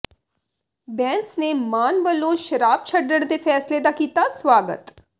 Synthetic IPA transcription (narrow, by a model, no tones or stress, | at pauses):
bɛ̃ːnsnemaːnʋəloʃɐɾaːb̚t͡ʃʰɐɖːəɽd̪efʰɛːsled̪akiːt̪asʋaːɡə̰t̪